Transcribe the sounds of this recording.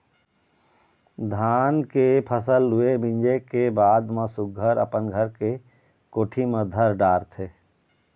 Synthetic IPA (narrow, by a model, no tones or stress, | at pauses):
d̪ʱaːnkepʰəsəlːʊebɪ̃ɲd͡ʒekebaːd̪mãsʊɡʱəɾə̰pənɡʱəɾke | koːʈʰiməd̪ʱəɾɖaːɾt̪ʰeː